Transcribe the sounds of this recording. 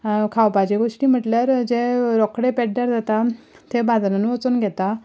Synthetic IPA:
kʰawpad͡ʑeɡoʂʈiːm̤əʈljaɾd͡ʑeɾɔkɽepeɽɖaɾd͡z̪ʱat̪a | t̪ebʱad͡znənʋɔt͡sunɡʱɛt̪a

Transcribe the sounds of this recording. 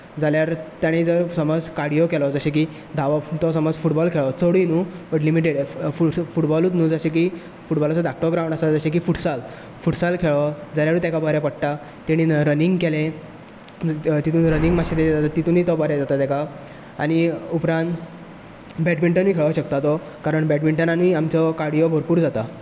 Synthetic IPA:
d͡zaljaɾt̪jaɽ̃id͡zəɾsəmɔd͡zkaɾɽijokɛlɔd͡zəɕẽk̬i | d̪ʱaʋat̪ɔsəmɔd͡zfuʈbɔlkʰeɭɔt͡səɽinupəʈlimiʈ̬eɽfufuʈbɔlut̪nuːd͡zəɕẽk̬i | fuʈbɔlat͡sɔɖak̚ʈɔɡɾawɳasad͡zəɕẽk̬iːfuʈsal | fuʈsalkʰeɭɔd͡zaljaɾũːt̪ɛkabəɾɛpəɽʈa | t̪iɽ̃iɾəniŋɡkelẽ | t̪it̪uːnɾənĩŋɡmaɕit̪ed͡zat̪at̪it̪uːnit̪ɔbɔɾɛd͡zat̪at̪ɛka | aɽ̃iupɾãnt̪ | bɛʈmiɳʈənmikʰeɭʋɕəkt̪at̪ɔ | kaɾəɳbɛʈmiɳʈənanmiamt͡sɔkaɽijɔbʱoɾpuːɾd͡zat̪a

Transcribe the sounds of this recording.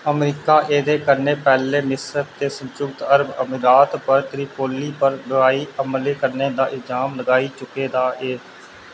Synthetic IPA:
əmɾiːkaːʔeːd̪eːkəɾneːpɛːleːmɪsəɾt̪eːsə̃nt͡ʃʊkt̪əɾəbəmɾaːt̪pəɾt̪ɾiːpoːliːpəɾbɪʋaːiːəmleːkəɾneːd̪aːʔɪlzaːmləɡaːiːt͡ʃʊkeːd̪aːʔeː

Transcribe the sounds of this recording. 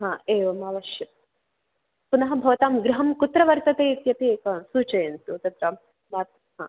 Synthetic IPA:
ɦãːeːʋɐmɐːʋɐʃjɐ | punɐɦɐ̆bʱɐːt̪aːmɡɾuɦɐmkut̪ɾɐʋɐɾt̪ɐt̪eːit̪jɐt̪ieːkɐsuːt͡ʃɐjɐnt̪uːt̪ɐt̪ɾaːm | maːt̪̚ | ɦã̰ː

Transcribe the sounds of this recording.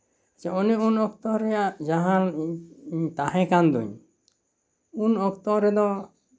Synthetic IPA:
at͡ʃaɔniunɔkt̪ɔɾɛjaʔd͡ʒaɦã | ɲt̪aɦɛ̃kand̪ṵɲ | unɔkt̪ɔɾɛd̪ɔ

